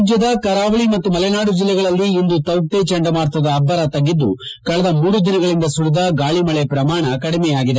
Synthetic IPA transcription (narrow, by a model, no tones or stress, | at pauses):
d͡ʒjɐd̪ɐkɐɾaːʋɐɭimɐt̪ːumɐlɛnaːɽud͡ʒilːɛɡɐɭɐlːiːnd̪ut̪ɐwk̚ʈ̪et͡ʃɐɳɖɐmaːɾt̪ʋɐd̪ɐːbːɐɾɐt̪ɐɡːid̪ːṵ | kɐɭɐd̪ɐmuːɾud̪inɐɡɐɭind̪ɐsuɽid̪ɐɡaːɭimɐɭepɾɐmaːɳɐkɐɽimɛjaːɡid̪e